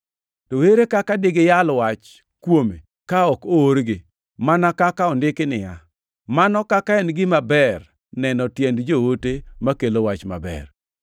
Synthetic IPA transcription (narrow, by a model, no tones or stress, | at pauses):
toweɾekakadɪɡɪjalwat͡ʃ | kwome | kaɔkooɾɡɪ | manakakaɔndɪkɪnɪja | manɔkakaɛnɡɪmabɛr | nɛnɔtjɛndd͡ʒowotemakelowat͡ʃma̰bɛ̰r